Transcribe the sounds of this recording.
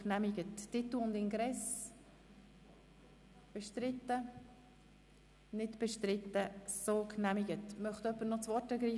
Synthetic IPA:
knæmɪɡətːɪtuʊnd̪ɪŋɡɾɛs | b̥ɛʃtɾɪt̪ːə | nɪtb̥ɛʃtɾɪt̪ːəsokʰnæmɪɡətmœχtœpːənɔt͡svɔrtəɡɾiː

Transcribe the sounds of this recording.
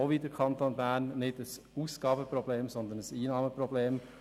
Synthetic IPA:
oʋidəɾkʰɑnt̪oːnbæːɾnːɪdəs | uːsɡ̥ɑːbəpɾɔbleːmsɔnd̪ənəsiːnɑːməprɔbleːm

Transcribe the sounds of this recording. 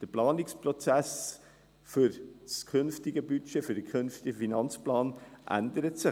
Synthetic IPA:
d̥əplɑːnɪkspɾɔt͡sæs | fyɾskʰʏnftɪɡəbyt͡ʃefyd̥əkʰønftɪɡəfinɑnt͡splɑːnʔæ̰nd̪əɾətsɪ

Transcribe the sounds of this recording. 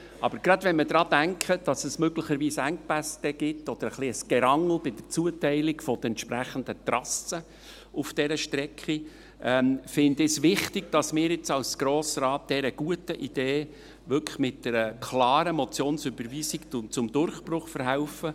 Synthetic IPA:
ʔɑb̥əɾɡɾɑd̪vɛnməd̥̪ɾɑːd̥æŋkχəd̥ɑsəsmøɡləχəɾʋiːsæŋk̚pæsd̥̪ɛɡ̥ɪtːɔd̥̪əɾəχliəsɡ̥ɛɾɑŋl̩bɪd̥̪ət͡suətɛɪlɪkfɔd̪̥əɛnt̪ʃpɾæχənd̪ət̪rɑsːə | ufd̥ɛɾəʃtɾɛkχi | ʔɛmfɪnd̪ɪsʋɪχtɪɡ̥̚d̥ɑsmɪːɾɪt͡sɑlsɡ̥ɾoːsɾɑːt̚d̥̪ɛɾəɡ̥uətəʔid̥eː | ʋʏkʰə̥mɪt̚d̥ɛɾəkʰlɑːɾəmɔt͡sjoːnsʏbəɾʋiːsɪkʊt͡sʊmd̪ʊrχprʊχfəɾɦaʊfə

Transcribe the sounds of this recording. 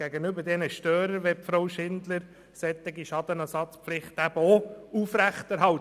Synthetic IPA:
æɡənʏbəɾdɛnəʃtøːɾəɾʋɛpfɾoʊʃɪnd̪ləɾ | sɛt̪ːɪɡiʃɑd̥̪ənɛsɑt͡spflɪχt̪æb̥əoufɾæχt̪æɾɦɑw

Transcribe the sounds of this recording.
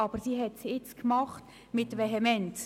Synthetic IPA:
ɑb̥əɾsiɦɛtsɪt͡skmɑχt | mɪtʋɛɦɛmɛnt

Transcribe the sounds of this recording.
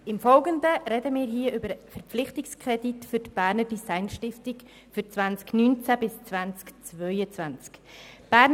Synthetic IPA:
ɪmfɔlɡəndəɾɛdəmɪːɾɦiːəʔʏbəɾfɛɾpp͡flɪχtɪkskʁɛditfʏtb̥æːɾnədisaɪnʃtɪftɪk | fʏɾt͡svant͡sknyːnt͡sæbɪst͡svant͡skt͡svœʏət͡svant͡skb̥æːn

